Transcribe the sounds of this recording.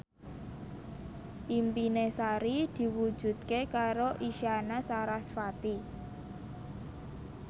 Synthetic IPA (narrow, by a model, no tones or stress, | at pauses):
ʔimpinesaɾid̪̥i̤wud̥ʒ̥ṳt̪̚kekaɾoʔiʃanasaɾasfat̪i